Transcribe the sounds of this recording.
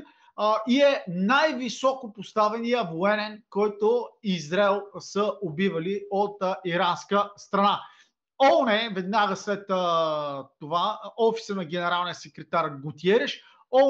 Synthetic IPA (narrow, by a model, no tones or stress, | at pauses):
iɛnajvisɔkopost̪avɛnijəvoɛnɛnkɔjt̪oizɾɛlˠsəʔobivɐliot̪iɾanskəst̪ɾɐna | ɔnɛvɛd̪naɡəslɛt̪ | t̪ovaɔfi̥sənɐɡʲɛnɛɾalˠnijəsɛkɾɛt̪aɾɡʊt̪iɛɾɛʃ | ɔ